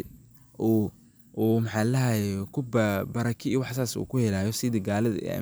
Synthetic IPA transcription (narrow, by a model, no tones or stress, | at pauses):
ʔuː | uːmħɑːlɐhajkʰʊbbɐɾɐkʰiiwɑħsaːsṵːkʰʊhɛlaːjɔsɪðɐɡaːlɐðɐ̰